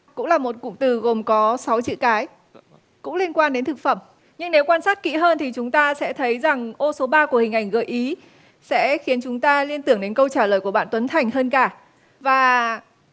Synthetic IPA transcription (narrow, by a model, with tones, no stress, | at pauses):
kʊ̰˧˥ŋ͡mlaː˨˩mo˨˩t̚kʊ̰˧˨ŋ͡mt̪ɨ˨˩ɣo˨˩mkɔ˨˦sa˨˦wt͡ɕḭ˧˨kaː˨˦j | kʊ̰˧˥ŋ͡mli˧ənkwaː˧nɗe˨˦nt̪ɨ˨˩k̚fə˧˩m | ɲɨ˧ŋne˨˦wkwaː˧nsaː˦˥t̚kḭ˧˥ɦəː˧nt̪ʰi˨˩t͡ɕʊ˨˦ŋ͡mt̪aː˧sɛ̰˧˥t̪ʰə˨˦jza˨˩ŋʔo˧so˨˦ɓaː˧ku˧˩əhï˨˩ŋ̟ʔa˧˩jŋ̟ɣə˧˨˩jʔi˨˦ | sɛ̰˧˥xi˨˦ənt͡ɕʊ˨˦ŋ͡mt̪aː˧li˧ənt̪ɨ˧˩əŋɗe˨˦nkə˧wt͡ɕaː˧˩ləː˨˩jku˧˩əɓa̰ː˧˨nt̪wə˨˦nt̪ʰa˨˩jŋ̟həː˧nkaː˧˩ | vaː˨˩